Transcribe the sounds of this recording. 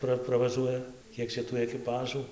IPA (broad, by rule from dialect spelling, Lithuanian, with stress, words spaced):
ˈprɐ prɐʋɐˈʒuɔjɛ ˈkʲiɛk t͡ʃʲɛ tuː ɛkʲɪˈpɑːʒuː